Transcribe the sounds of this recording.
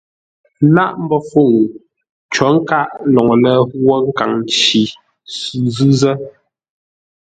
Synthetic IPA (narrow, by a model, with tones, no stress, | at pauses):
la˦ʔm̩˦bɔ˦fu˦˨ŋ˨ | t͡ʃɔ˨˦ŋ̩˦ka˦˨ʔlɔ˨ŋɔ˨lɛ˦wɔ˦ŋ̩˦ka˨ŋn˨t͡ʃi˨ | sʉ˨zʉ˦zɛ˦